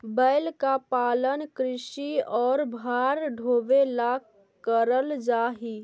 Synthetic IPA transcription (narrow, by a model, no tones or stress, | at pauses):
bəːlkapaːlənkɾɪʃiɔːɾbʱaːɾɖʱoːʋela | kəɾəld͡ʒaːɦiː